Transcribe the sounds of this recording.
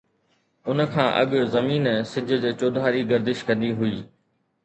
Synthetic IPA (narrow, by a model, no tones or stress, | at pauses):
ʊnkʰãːʔɐ̰ɠzɐmiːnsɪd͡ʑʱʊd͡ʑeːt͡ɕoːd̪ʱaːɾiɡɐɾd̪ɪʃkɐ̃nd̪iɦʊiː